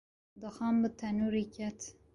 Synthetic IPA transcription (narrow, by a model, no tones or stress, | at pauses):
d̪ɨxɑːmbət̪ʰɐnuːɾikʰɛt̪